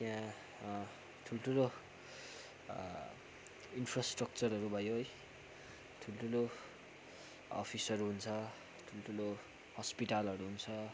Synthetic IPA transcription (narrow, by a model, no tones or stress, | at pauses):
t̪jã | ʈʰuloʈʰulo | inpʰrasʈrʌk̚t͡sʌrɦʌɾubʱʌjoʌj | ʈʰuloʈʰulo | ʌ̰pʰisʌɾuɦunt͡sʰʌ | ʈʰuloʈʰulo | hʌspiʈalʌɾuɦunt͡sʰʌ